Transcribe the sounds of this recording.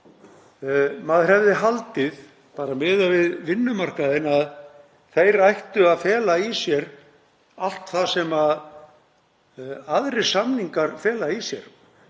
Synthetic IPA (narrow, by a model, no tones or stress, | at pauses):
maðr̥ɛvðɪɦalt̪ɪð | paːɾamɪːðavɪðvɪnːʏmar̥kaðɪnað | θejɾajht̪ʏaðfɛːlaisjɛɾ | al̥t̪θasɛmað | aðɾɪ̥samniŋkaɾfɛːlaisjɛ̰ɾ̥